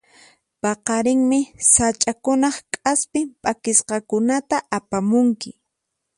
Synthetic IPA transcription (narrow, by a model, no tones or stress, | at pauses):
pɑqɑɾɪŋmɪsat͡ʃʼakʊnɑχkʼaspɪpʼakɪsqɑkʊnat̪aʔapamʊŋkɪ